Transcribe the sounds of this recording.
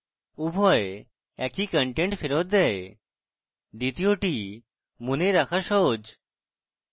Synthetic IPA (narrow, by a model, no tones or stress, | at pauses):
ubʱɔe | ɛkikəɳʈeɳʈfʰeɾot̪̚d̪ɛe | ɖit̪ioʈi | muneɾakʰaʃɔɦod͡ʒ